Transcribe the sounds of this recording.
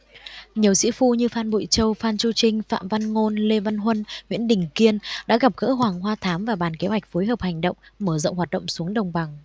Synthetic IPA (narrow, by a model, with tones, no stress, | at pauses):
ɲi˨˩əwsḭ˧˥fu˧ɲɨ˧faː˧nɓṵ˧˨jt͡ɕə˧wfaː˧nt͡ɕu˧t͡ɕï˧ŋ̟fa̰ː˧˨mva˧nŋo˧nle˧va˧nɦwə˧nŋwḭ˧˥ənɗï˨˩ŋ̟ki˧ənɗa̰ː˧˥ɣa˨˩p̚ɣə̰ː˧˥ɦwaː˨˩ŋɦwaː˧t̪ʰaː˨˦mvaː˨˩ɓaː˨˩nke˨˦ɦwa˨˩k̚fo˨˦jɦəː˨˩p̚ha˨˩jŋ̟ɗə̰˧˨wŋ͡mməː˧˩zə̰˧˨ŋ͡mɦwaː˨˩t̚ɗə̰˧˨ŋ͡msu˨˦əŋɗə˨˩wŋ͡mɓa˨˩ŋ